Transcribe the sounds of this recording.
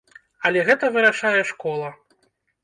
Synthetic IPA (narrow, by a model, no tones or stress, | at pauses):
ɐlʲɛɣɛt̪ɐvɨɾaʂajɛʂkɔlˠɐ